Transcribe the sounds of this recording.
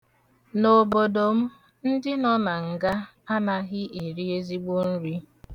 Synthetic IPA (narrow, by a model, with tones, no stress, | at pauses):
no˨bo˨do˨m̩˦ | n̩˦dɪ˦nɔ˦na˨ŋ̩˨ɡa˦ | a˦na˦ɣɪ˦ʔe˨ɾi˦e˦zi˦ɡ͡bo˦n̩˦ɾi˦